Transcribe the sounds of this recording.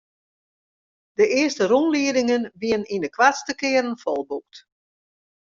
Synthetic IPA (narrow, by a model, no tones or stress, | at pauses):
d̥əɪəstərunliədɪŋənʋiənindəkʰʋastəkɪəɾənfɔlˠbuk̚t